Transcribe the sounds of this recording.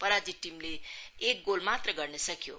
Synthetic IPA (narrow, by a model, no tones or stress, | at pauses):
pʌɾad͡ziʈːimleek̚ɡolmat̪rʌɡʌɾnesʌkjo̰